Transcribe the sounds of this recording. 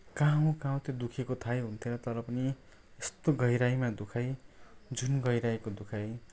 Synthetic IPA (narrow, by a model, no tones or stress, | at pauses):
kaũkãw̃t̪od̪ukʰekot̪ʰajɦunt̪ʰjeɾʌt̪ʌɾʌpʌni | est̪oɡʌjɾajmad̪ukʰajd͡zunɡʌjɾajkod̪ukʰaj